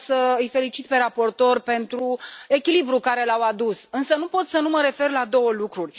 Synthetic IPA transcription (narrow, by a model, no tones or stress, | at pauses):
səɨjfe̞lit͡ʃit̪̚pe̞ɾapo̞rt̪o̞rpe̞nt̪ɾue̞kʲilibɾukaɾe̞lawad̪usɨnsənupo̞t̪sənuməɾe̞fe̞rlad̪o̞wəlukɾurʲ